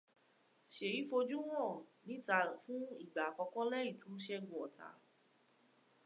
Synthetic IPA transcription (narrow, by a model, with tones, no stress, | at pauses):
ʃe˨ji˨˦fo˧d͡ʒũ˦w̃ɔ̃˦˨nĩ˨˦ta˧fũ˦i˦˨ɡ͡ba˨kɔ˧kɔ̃˦lɛ˦i˦˨tũ˨˦ʃɛ˦ɡũ˨ɔ˨tʰa̰˨˦